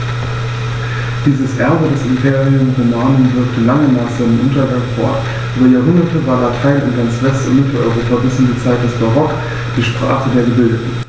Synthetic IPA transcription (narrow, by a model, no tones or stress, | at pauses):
d̥iːzəsʔɛɐbədɛsɪmpʰeːʁiʊmfɪnaːnonvɪɐktʰəlaŋənaːχz̥aɪnəmʔʊntɐɡaŋfo̰ɐ | ʔyːbɐjaːɐɦʊndɐtəvaːɐlatʰaɪnʊ̰ntɡ̥ant͡sv̥ɛstɪ̰nmɪtl̩ʔɔ̰ʏʁoːpɐbɪshɪnd̥iːɐt͡saɪt̚d̥ɛsb̥aʁɔk | d̥iːʃpʁ̥a̰ːχədeːɐɡəbɪldətn̩